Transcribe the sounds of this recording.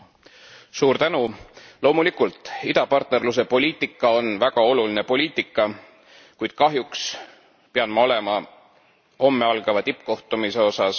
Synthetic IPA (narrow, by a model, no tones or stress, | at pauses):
suːɾt̪ænulo̞ːmulikult̪ˑid̪̥ɑpɑrt̪ne̞rlus̬e̞po̞lʲiːt̪ːˑikːˑɑo̞nvæɡ̥ɑo̞luline̞po̞lʲiːt̪ːˑikːˑɑ | kujd̪̥̚kɑɦjuks | peɑnmɑo̞le̞mɑ | ho̞mːeɑlɡ̥ɑvɑt̪ipːˑko̞ht̪umiseo̞sɑs